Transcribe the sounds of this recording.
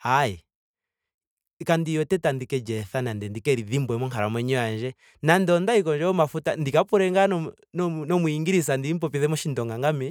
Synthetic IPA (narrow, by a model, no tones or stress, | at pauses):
ai | kandijɔtɛtandikɛd͡ʒɛθanandɛndikɛɾiðimbwɛmɔŋkaɾamwɛɲɔand͡ʒɛ | nandɔndaikɔɲd͡ʒɔɔmafutandikapuɾɛŋɡanɔ | nnɔmuiŋɡiɾis̬andiim̩pɔpiðɛmɔʃindɔŋɡaŋɡamɛ